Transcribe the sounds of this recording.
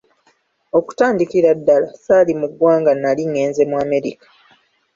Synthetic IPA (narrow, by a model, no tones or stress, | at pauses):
o̞ku̥taːndikiɾadːalasaːlimuɡwaːŋɡanːaliŋːe̞ːnze̞mwaːme̞ɾḭkḁ